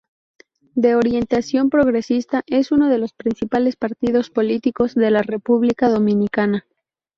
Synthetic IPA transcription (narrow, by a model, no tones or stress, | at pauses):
d̪e̞oɾje̞nt̪asjo̞mpɾo̞ɣɾe̞sist̪aʔe̞suno̞ðe̞lo̞spɾinsipale̞spaɾt̪ið̞o̞spo̞lit̪iko̞zðe̞lare̞puβlikaðo̞mĩnikana